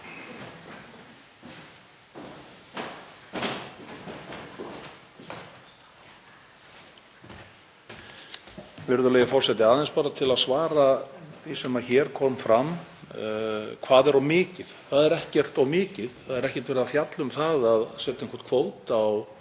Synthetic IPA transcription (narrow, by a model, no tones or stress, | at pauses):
vɪɾðʏlɛjɣɪfɔr̥sɛt̪ɪaðɛnspaːɾat̪ʰɪlaðsvaːɾaθisɛmaçɛːɾ̥kʰɔːmfɾam | kʰvaːðɛɾawmɪːcɪð̥θaðɛɾɛhcɛr̥t̪awmɪːcɪðθaðɛɾɛhcɛɾ̥t̪vɛɾðaθjat̪lʏmθaðaðsɛt̪eŋkʰɔ̥rt̪kʰvoːwt̪aw